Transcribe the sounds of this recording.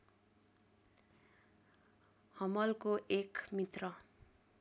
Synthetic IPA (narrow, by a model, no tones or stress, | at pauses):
hʌmʌlkoʔekmit̪rʌ